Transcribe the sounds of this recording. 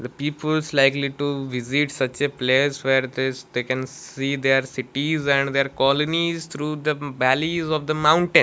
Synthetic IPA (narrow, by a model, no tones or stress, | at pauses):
d̪əpiːpəlslaɪkliʈuʋɪziʈsʌt͡ʃepleːsʋeːɾd̪ed̪eːkɛ̃niːd̪eɾsɪʈizæ̃ɳɖd̪eɾkɔlənizt̪ʰɾuːd̪əbælizɔʋd̪əmãʊ̃ɳʈẽn